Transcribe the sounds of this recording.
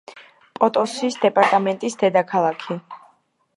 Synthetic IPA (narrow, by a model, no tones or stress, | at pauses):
pʼɔt̪ʼɔsisd̪ɛpʼaɾt̪ʼamɛnt̪ʼisd̪ɛd̪akʰalˠakʰi